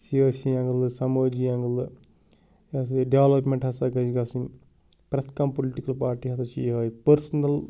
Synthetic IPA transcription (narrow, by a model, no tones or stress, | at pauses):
siɐːsijɐŋɡɐlɨsɐmoːd͡ʒiaŋɡɐlɨ | jas̬ɖeʋɐlɐpmeɳʈhɐsaɡɐd͡ʒiɡɐsin | pɾɐt̪ʰkɐmpoliʈikɐlpaːɾʈiːɦɐt̪ɐt͡ʃijɦɐːipɐɾsɐnɐl